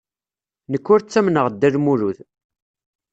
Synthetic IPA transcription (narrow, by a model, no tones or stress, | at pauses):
nəkːʊɾt͡sːæmnəʁd̪ːæðmuɾuð